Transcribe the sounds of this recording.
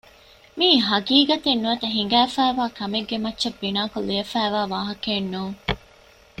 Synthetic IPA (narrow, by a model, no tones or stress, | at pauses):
miːɦɐɡiːɡɐt̪enːuɐt̪ɐɦiŋ̆ɡæːfæːʋaːkɐmeɡːemɐtːʃɐbːinaːkulːiɐfæːʋaːʋaːɦɐkeːnːuːŋ